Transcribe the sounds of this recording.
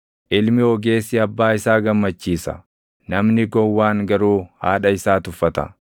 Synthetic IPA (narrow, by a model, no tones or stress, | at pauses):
ʔɪlmɪɔɡe̞ːsɪɐbːaːɪsaːɡɐmːɐt͡ʃːiːsɐ̰ | nɐmnɪɡɔwːaːŋɡɐɾuːha̰ːᶑɐɪsaːt̪ʊfːɐt̪ɐ̰